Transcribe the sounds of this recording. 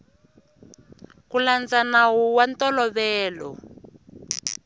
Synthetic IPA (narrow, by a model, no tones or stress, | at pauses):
kuland͡zanawuwantɔlɔβɛːlɔ̰